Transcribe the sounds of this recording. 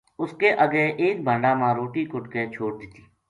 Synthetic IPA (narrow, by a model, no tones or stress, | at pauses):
ʊskeʔəɡeʔeːk̚bʱə̃ɳɖaːmãɾoːʈikʊʈket͡ʃʰoːʈ̚d̪ɪt̪i̥ː